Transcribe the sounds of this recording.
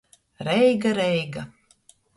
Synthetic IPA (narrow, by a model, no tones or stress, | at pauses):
ɾɛjɡaɾɛjɡa